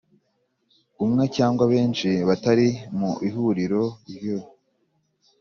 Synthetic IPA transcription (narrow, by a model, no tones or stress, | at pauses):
umŋe̞caːŋɡwaβe̞ːnʃiβataɾimuihuɾiɾo̞ɾjo